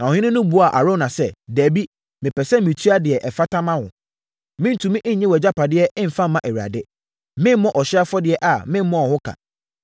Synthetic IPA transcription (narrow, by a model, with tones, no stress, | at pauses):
nã˨ɔ˨ɪ̃˦nʊ̃˦nʊ̃˦bu˨˦a˨ʔa˨ɾo˦nã˨sɛ˦dæ˨bi˦ | mɪ̃˨pʰɛ˨sɛ˦mĩ˨tʰu˦a˦dɪ˨ɛ˨ʔɛ˨fa˦tʰã˦mã˦hʊ̰̃˨ | mɪ̃˦n̩˨tʰũ˨mĩ˦ʔɪ̃˦ɲ̩˨ɲɛ̃˦wɛ˨d͡ʑa˦pʰa˨dɪ˦ɛ˦ɪ̃˦m̩˨fã˦mː˦ã˦ʔɛ˨ɥi˨a̰˨dɪ˦ | mɪ̃˦m˦mɔ̃˦ʔɔ˨ɕɪ˦a˦fɔ˦dɪ˦ɛ˦ʔa˨mɪ̃˦m̩˦mːɔ̃˦ɔ˨hʊ̃˦kʰa̰˨